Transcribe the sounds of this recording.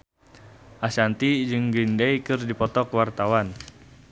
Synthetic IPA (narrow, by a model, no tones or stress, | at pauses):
ʔasant̪id͡ʒɨŋɡindaikɨrdipɔt̪ɔkwart̪awan